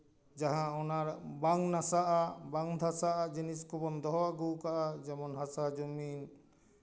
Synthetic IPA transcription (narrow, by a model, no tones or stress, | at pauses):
d͡ʒaɦãɔnaɾbaŋnasaʔabaŋd̪ʱasaʔad͡ʒiniskɔbɔnd̪ɔɦɔwaɡuwkaʔad͡ʒɛmɔnɦasad͡ʒumin